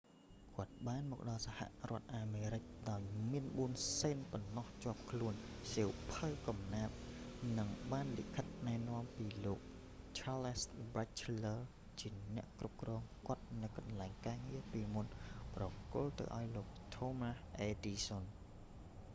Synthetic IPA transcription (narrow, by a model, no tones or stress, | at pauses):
kŏət̪̚ɓaːnmɔːk̚ɗɑlsaha̰ʔrŏət̪̚ʔaːmeːɾɨc̚ɗaɔjmiənɓuənseːnpɔnːɑht͡ɕŏəp̚kʰluənsiːwpʰəwkɑmnaːp̪̚nɨŋɓaːnlḭʔkʰət̪̚naɛnŏəmpiːloːk̚ | t͡ɕʰalsbat͡ɕlə | t͡ɕiənɛ̆əʔkrup̚krɔːŋkŏət̪̚nɨwkɑnlaɛŋkaːŋiəpiːmunprɑkʊlt̪ɨ̰wʔa̰ɔjloːk̚t̪ʰoːmasʔeːdiːson